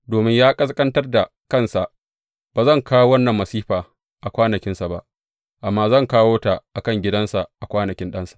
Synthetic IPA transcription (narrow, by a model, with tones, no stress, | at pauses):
doː˨mɪ˦ɲjaː˦kʼɐ˦skʼɐ˦ntɐ˦rda˨ | kɐ˦˨nsa˨ʔ | b̥aː˨zɐ˦˨ŋkaː˦wo˦wɐ˦nːɐ˨mːɐ˨siː˦ɸaː˨ | ʔa˨kʷaː˦nɐ˨kʲɪ˦nsa˨ba̰˦ʔ | ʔa˨mːaː˦zɐ˦˨ŋkaː˦woː˦ta˨ʔa˨kɐ˦˨ŋɡʲɪ˦dɐ˦nsa˨ʔa˨kʷaː˦nɐ˨kʲɪ˦nɗɐ˦nsḁ˨